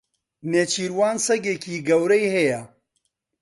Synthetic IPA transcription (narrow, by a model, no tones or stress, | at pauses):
neːt͡ʃʰiːɾwaːnsɐɡekʰiːɡɐwɾɐjhɛjɐ